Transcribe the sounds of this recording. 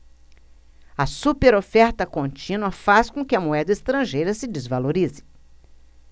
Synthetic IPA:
ɐsupeɾofɛɾt̪ɐkõnt͡ʃĩnuɐfaskõkɪɐmuɛd̪ɐest̪ɾɐ̃ʒejɾɐsɪd͡ʒɪzvaloɾizɪ̥

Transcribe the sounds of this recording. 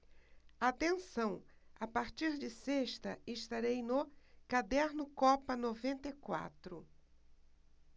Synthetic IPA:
at̪ẽsɐ̃w̃ | apaɾt͡ʃiɾd͡ʒɪseʃt̪ɐɪʃt̪aɾejnʊkad̪ɛɾnʊkɔpɐnovẽnt̪ejkwa̰t̪ɾʊ

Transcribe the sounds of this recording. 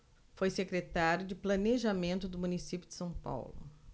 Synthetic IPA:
fojsekɾet̪aɾjʊd͡ʒɪplɐneʒamẽnt̪ʊd̪ʊmũnisipjʊd͡ʒɪ̥sɐ̃w̃pa̰wlʊ̰

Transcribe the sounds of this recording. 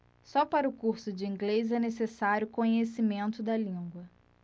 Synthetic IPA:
sɔpaɾɐʊkuɾsʊd͡ʒɪĩŋɡlezɛnesesaɾʲjʊkõɲesimẽnt̪ʊd̪ɐlĩɡwɐ

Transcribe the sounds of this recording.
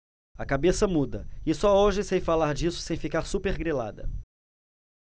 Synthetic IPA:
ɐkabesɐmud̪ɐɪsɔoʒɪsejfalaɾd͡ʒisʊ̥sẽj̃fikaɾsupeɾɡɾila̰d̪ɐ̰

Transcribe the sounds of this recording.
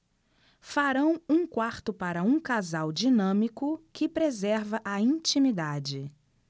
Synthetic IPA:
faɾɐ̃w̃ũkwaɾt̪ʊpaɾɐũkazawd͡ʒinɐ̃mikʊkɪpɾezɛɾvɐʔɐĩt͡ʃĩmid̪ad͡ʒɪ

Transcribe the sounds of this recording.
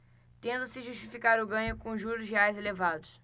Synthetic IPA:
t̪ẽnd̪ɐsɪʒuʃt͡ʃifikaɾʊɡɐ̃ɲʊkõʒuɾʊzɦeajzelevad̪ʊs

